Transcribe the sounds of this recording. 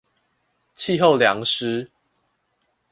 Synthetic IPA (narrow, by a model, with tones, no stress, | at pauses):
t͡ɕʰi˥˧ɦo˥˨ʊlja˧˦ŋʂɻ̩˦